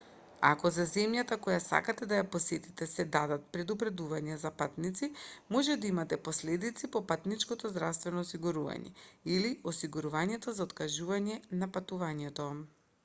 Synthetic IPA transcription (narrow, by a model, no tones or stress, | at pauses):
akɔzazɛmjat̪akɔjasa̰kat̪ɛd̪ajaposɛt̪it̪ɛsɛd̪ad̪at̪̚pɾɛd̪upɾɛd̪uvaɲazapat̪nit̪simɔʒɛd̪aimat̪ɛposlɛd̪it̪sipɔpat̪nit͡ʃkɔt̪ɔzd̪ɾafst̪vɛnɔːsiɡuɾuva̰ɲɛ̰iliɔsiɡuɾuvaɲɛt̪ɔzaot̪kaʒuvaɲɛnapat̪uvaɲɛt̪ɔ